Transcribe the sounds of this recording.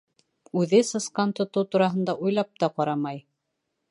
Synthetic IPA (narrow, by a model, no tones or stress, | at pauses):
ʉðɘsɤ̆sqɑnt̪ŏt̪ɤwt̪uɾɑɦɤ̆nd̪ɑʔujlˠɑp̚t̪ɑqɑɾɑmɑj